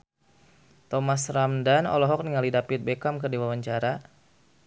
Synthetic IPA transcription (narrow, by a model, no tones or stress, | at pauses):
t̪ɔmasramdanɔ̰lɔɦɔk̚niŋalidapɪt̪̚bekamkərdiwawaɲt͡ʃaɾa